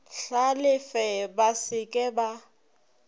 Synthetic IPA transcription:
ɬalɪfɛbasɪkʼɛba

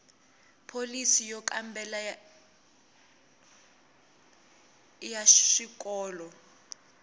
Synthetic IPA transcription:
pʰolisijɔkʼambɛla | jaʃik̬ʼɔːlɔ

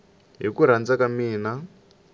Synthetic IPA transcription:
ɦikuɾ̤and͡zakamiːna

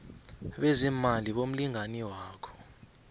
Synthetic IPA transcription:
ɓɛzimaliɓom̩liŋaniwaːkʰɔ̥

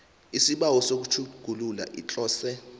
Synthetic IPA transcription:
isiɓawɔsok̬ut͡ʃʰuɡ̥ʱulula̰ʔit͡ɬʼɔːsɛ

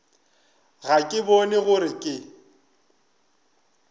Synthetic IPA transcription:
ɣakʼɪbɔnɛɣʊɾɪkʼɪ

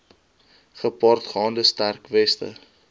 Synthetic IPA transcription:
χəpɑrtχɑːndəstærkvɛstə̰

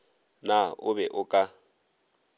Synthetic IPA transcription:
naʊbɛʔʊkʼa

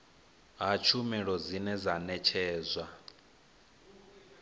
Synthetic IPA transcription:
ɦat͡ʃʰumɛɺɔd͡zinɛd͡zanɛt͡ʃʰɛːzwa

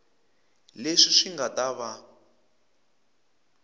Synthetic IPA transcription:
leʂiʂiŋɡataβa

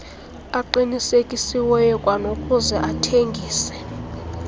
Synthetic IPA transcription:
aǃinisekʼisiwɛjɔkʼwanokʼuzɛʔatʰeŋɡʱiːsɛ̥

